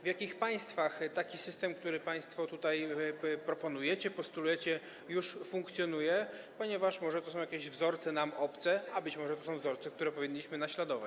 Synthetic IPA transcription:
vjakʲixpaj̃st̪faxt̪akʲisɘst̪ɛmk̚t̪uɾɘpaj̃st̪fɔt̪ut̪ajpɾɔpɔnujɛt͡ɕɛpɔst̪ulujɛt͡ɕɛ | juʂfuŋkt̪sʲjɔn̪ujɛ | pɔɲɛvaʂmɔʐɛt̪ɔs̬ɔ̃w̃jakʲeʑvzɔɾt̪sɛnamɔpt̪sɛabɘt͡ɕmɔʐɛt̪ɔsɔ̃w̃vzɔɾt̪sɛk̚t̪uɾɛpɔvʲiɲːiɕmɘnaɕlad̪ɔvat͡ɕ

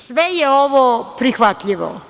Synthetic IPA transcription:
sʋɛjeoʋopɾixʋat̪ʎiʋo̰

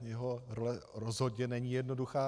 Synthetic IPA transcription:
jɛɦoɾolɛɾozɦodɲɛnɛɲiːjɛdno̞duxaː

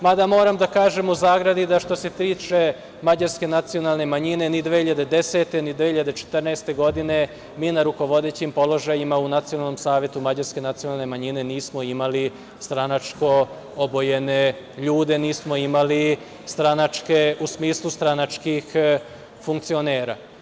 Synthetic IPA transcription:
mad̪amo̞ːɾamd̪akaːʒe̞muzaːɡɾad̪id̪aʃt̪o̞se̞t̪iːt͡ʃe̞ | mad͡ʑaɾske̞nat̪sijo̞nalˠne̞maɲine̞nid̪ʋehiʎad̪ed̪e̞set̪e̞nid̪ʋehiʎad̪et͡ʃe̥t̪rnaest̪e̞ɡo̞d̪ine̞ | miːnaɾuko̞ʋo̞d̪e̞ːt͡ɕimpo̞lo̞ʒajimaunat̪sionalˠnomsaːʋje̞t̪umad͡ʑaɾske̞nat̪sijo̞nalˠne̞maɲine̞niːsmo̞imali | st̪ɾanat͡ʃko̞ | obo̞jene | ʎuːd̪e̞niːsmo̞imali | st̪ɾanat͡ʃke̞usmiːslˠust̪ɾanat͡ʃkix | fuŋk̚t̪sio̞neːɾa̰

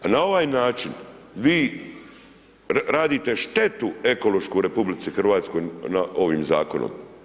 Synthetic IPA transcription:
anao̞ʋaːjnaːt͡ʃin | ʋiː | ɾaːd̪it̪e̞ʃt̪e̞t̪ue̞ko̞lo̞ʃkoɾe̞publit̪sixr̩ʋaːt̪sko̞jnaʔo̞ʋiːmza̰ːko̞no̰m

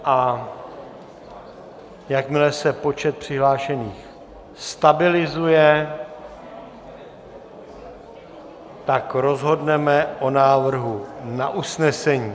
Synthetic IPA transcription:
ʔa | jakmɪlɛsɛpo̞t͡ʃɛt̪̚pr̝̥ɪɦlaːʃɛniːx | st̪abɪlɪzujɛ | t̪akɾo̞zɦo̞dnɛmɛʔo̞naːvr̩ɦuna̰ʔusnɛsɛɲiː

